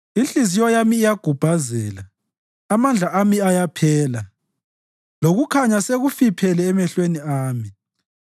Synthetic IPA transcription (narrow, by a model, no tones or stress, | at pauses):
inɬʼizijɔjamiːjaɡ̥ʱub̥ʱazɛ̰ːla | amand͡ɮʱaʔamiajapʰɛːla | loɣukʰaɲaseɣufipʰɛlɛːmɛɬweniaːmi